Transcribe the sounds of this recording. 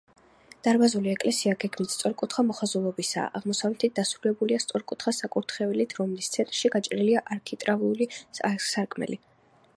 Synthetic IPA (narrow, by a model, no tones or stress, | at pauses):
d̪̥aɾbazuliɛkʼlɛsiaɡɛɡmit̪st̪sʼɔɾkʼut̪ʰχamɔχazulˠɔbisa̰ʔaʁmɔsavlɛt̪ʰit̪̚d̪asɾulɛbuliast̪sʼɔɾkʼut̪ʰχasakʼuɾt̪ʰχɛvilit̪ʰɾɔmlist̪sʰɛnt̪ʼɾʃiɡat͡ʃʼɾiliaʔaɾkʰit̪ʼɾavulisasaɾkʼmɛ̰li